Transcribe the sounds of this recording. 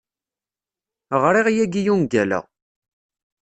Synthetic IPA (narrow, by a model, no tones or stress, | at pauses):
ʁɾˤiʁjæɡijunɡælæ̰